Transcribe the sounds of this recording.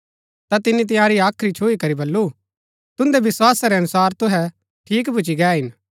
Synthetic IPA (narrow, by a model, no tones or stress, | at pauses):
t̪at̪ɪnit̪ɪjãːɾiaːkʰɾit͡ʃʰoːikɐɾibɐlːu | t̪ʊ̃nd̪eʋɪswaːsaɾeɐnʊsaːɾt̪ʊɦɛ | ʈʰiːkbʱʊt͡ʃiɡɛːɦɪn